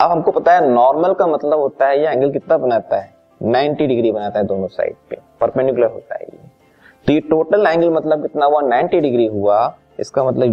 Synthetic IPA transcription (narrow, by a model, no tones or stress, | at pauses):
ɐbɦɐmkopɐt̪aɦɛnɔːɾməlkamɐt̪ləbɦoːt̪aɦɛjeɛ̃ːŋɡəlk̬ɪt̪nabɐnaːt̪aɦɛ | nãːɪ̃ɳʈiɖɪɡɾibɐnaːt̪aɦɛd̪oːnõsa̰ːɪɖ̚pepɐɾpɛɳɖɪkʊləɾɦo̰ːt̪a̰ɦɛ̰jḛ | t̪ojeʈoːʈəlɛ̃ːŋɡəlmɐt̪ləb̚kɪt̪naɦuɦanaːɪ̃ɳʈiɖɪɡɾiɦua | ɪ̰skamɐt̪ləb